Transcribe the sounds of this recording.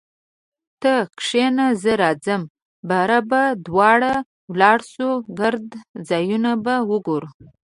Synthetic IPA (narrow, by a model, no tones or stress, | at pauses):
t̪əkʂenazəɾɑd͡zəm | baɾabad̪wɑɽa | wlɑɽsuɡaɾd̪d͡zɑjunabawəɡoɾu